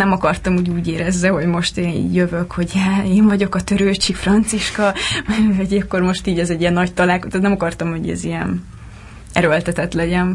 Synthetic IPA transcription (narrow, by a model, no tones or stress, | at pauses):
nɛmɒkɒrt̪ɒmuːɟuːɟeːɾɛzːɛɦo̞ɟmo̞ʃt̪eːnḭjøvøkho̞ɟɛeːɱvɒɟo̞kɒt̪øɾøːt͡ʃikfrɒnt̪siʃkɒvɒɟɛkːormo̞ʃt̪iːɟɛzɛɟːiɛnːɒct̪ɒlaːlkot̪ot̪nɛmɒkɒrt̪ɒmho̞ɟɛ̰zijɛn | ɛɾølt̪ɛt̪ɛt̪lɛɟɛn